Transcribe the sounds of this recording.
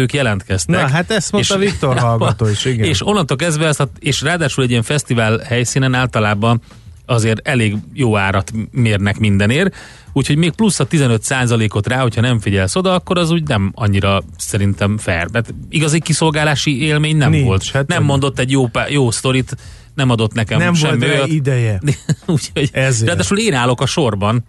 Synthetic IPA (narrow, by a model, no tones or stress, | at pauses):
øːkjɛlɛnt̪kɛstnɛɦat̪ɛst̪moːʃɒvik̚tt̪orɦɒlɡɒt̪oːiʃiɡeːʃonːɒnt̪ok̬ɛzd̪vɛɒst̪ɒeːʃraːd̪aːʃulɛɟːijɛɱfɛst̪ivaːlhɛjsiːnɛnaːlt̪ɒlaːbɒn | ɒzeːɾɛleːɡjoːaːɾɒt̪meːrnɛkmind̪ɛneːr | uːcʰho̞ɟmeːk̚plusːɒt̪izɛnø̞t̪saːzɒleːko̞t̪raːho̞cʰhɒnɛɱfiɟɛlso̞d̪ɒɒkːo̞ɾɒzuːɟnɛmɒɲːiɾɒ | sɛɾint̪ɛmfɛ̰rmɛt̪iɡɒzikiso̞lɡaːlaːʃieːlmeːɲnɛnvo̞lt̪nɛmːo̞nd̪o̞t̪ːɛɟjoːpjoːst̪o̞ɾit̪ | nɛmɒd̪o̞t̪nɛkɛmmʃɛlmːiojid̪ɛjɛuːcʰoɟraːdd̪aːʃuːleːnaːlo̞kɒʃo̞rbɒn